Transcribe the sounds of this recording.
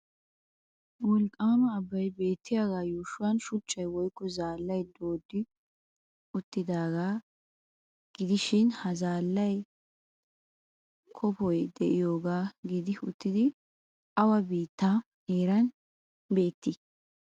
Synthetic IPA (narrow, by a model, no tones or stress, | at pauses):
wɔlkʼːaːmɐːbːɐjbe̞ːt̪ːɪjaːɡaːjuːʃʊwɐnʃʊt͡ʃʼːɐjwɔjkːɔzaːlːɐjd̪oːd̪ːɪ | ʊt̪ːɪd̪aːɡaː | ɡ̥ɪd̪ɪʃɪnhɐzaːlːɐj | kʰɔpɔjd̪ɛʔɪjoːɡaːɡɪd̪ɪʊ̰t̪ːɪd̪ɪ | ʔɐwɐbiːt̪ːa | neːɾɐn | be̞ːt̪ːɪ